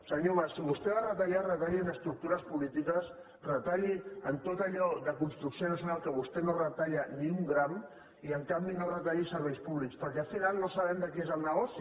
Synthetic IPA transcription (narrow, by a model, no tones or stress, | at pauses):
səɲoβasiβust̪ɛβarət̪aʎarət̪aʎiənəst̪ɾuk̚t̪uɾəspulit̪ikəs | rət̪aʎiənt̪ot̪əʎɔðəkunst̪ɾuksionəsjunalˠkəβust̪enorət̪aʎəniuŋɡɾam | iəŋkambinorət̪aʎisəɾβ̞ɛjspuβlikspəɾkɛalfinalˠnosaβɛmd̪əkiezəlˠnəɣ̞ɔsi